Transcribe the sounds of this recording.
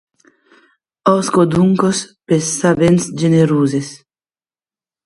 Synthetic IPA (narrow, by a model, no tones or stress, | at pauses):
ɔskod̪uŋkospesːabensd͡ʒeneɾuːzes